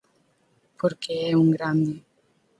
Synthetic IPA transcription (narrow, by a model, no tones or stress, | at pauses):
pʰoɾkeɛuŋɡɾand̪e